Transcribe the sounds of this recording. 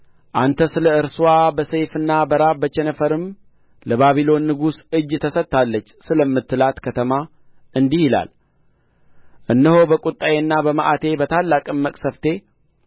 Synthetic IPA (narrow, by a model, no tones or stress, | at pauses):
ʔant̪ʰəsɨləɨɾswabəsejfɨnːabəɾabət͡ʃɛnəfəɾɨm | ləβaβilo̞nːɨɡusɨd͡ʒːt̪ʰəsət̪ːalːət͡ʃːsɨləmːɨt̪ʰːɨlat̪kʰət̪ʰəma | ɨnd̪ihɪla̰l | ʔɨnːəho̞bəkʼut̪ʼːajenːabəməʔat̪ʰe̞bət̪ʰalːakʼɨmːəkʼsəft̪ʰe̞